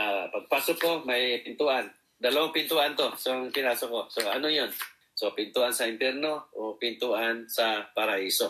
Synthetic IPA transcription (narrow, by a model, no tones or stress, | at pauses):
apapasukɔmajpint̪uan | daloŋpint̪uant̪ʊhsɔŋkiɾasukoʔsoanujɔn | sopint̪uansaimpɛrnopint̪uansapaɾaisɔ